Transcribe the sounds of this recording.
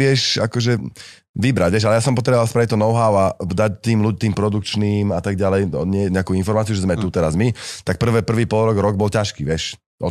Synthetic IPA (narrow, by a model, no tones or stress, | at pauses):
ɪɛʃakɔʒɛ | ʋibɾaɟʋjɛʃalɛjasɔmpɔt̪̬ɾɛbɔʋalˠspɾaʋit̪ːɔnɔʊɦaʊad̪act̪iːmluɟ̚t̪iːmpɾɔd̪ukt͡ʃniːmat̪aɡɟalɛj̪ɔɲɪɛɲɛakuinfɔɾmaːt͡siuʒɛzmɛt̪ut̪ɛɾazmit̪ak̚pr̩ʋɛpr̩ʋiːpɔlɾɔɡɾɔɡ̚bɔlcaʃkiːʋɪɛʃ | ʔɔ̰